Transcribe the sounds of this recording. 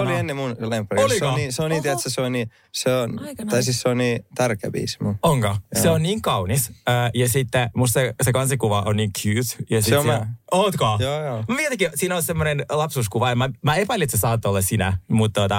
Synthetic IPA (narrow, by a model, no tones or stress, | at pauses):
olienːemunlempːerolikoniseoniːt̪iæt̪seseonni | seont̪ɑisisseonnĩːt̪ærkæ̰bḭːsi̥muoŋkɑseonniːŋkɑwnisəːjɑsit̪ːemust̪sesekɑnsikuʋɑʔonniːŋkʰjyːt̪jɑsieooːt̪kɑjoːjoːmʋiɛt̪ækisiːnolsemːonenlɑpsuːskuʋɑemæmæepæliet̪sesɑːt̪ːoolːɑssinæ̰mut̪t̪ot̪ɑ